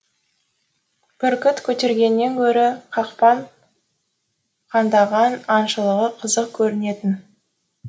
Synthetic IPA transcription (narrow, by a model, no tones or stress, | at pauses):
pʏɾkʲɪt̪kʲʰɵt̪e̞ɾɡʲe̞nːe̞ŋkʲʰɵɾɪqʰɑqpɑɴ | qʰɑnd̪ɑʁɑnɑnʃəlˠəʁəqʰəzəqkʲʰɵɾɪne̞t̪ɪn